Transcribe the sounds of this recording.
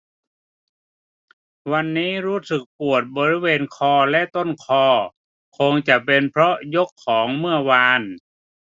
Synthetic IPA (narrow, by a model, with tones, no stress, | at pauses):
wa˧nːiː˦˥˩ɾuː˦˥sɯ˨˩k̚pu˨˩ət̪̚bɔː˧ɾi˦˥˨weː˧nkʰɔː˧lɛ˦˥ʔt̪o˧˥˩nkʰɔː˧˩ | kʰo˧ŋt͡ɕa˨˩pe˧npʰɾɔ˦˥jo˦˥kʰːɔː˩˦ŋmɯ˥˩ɐwaː˧n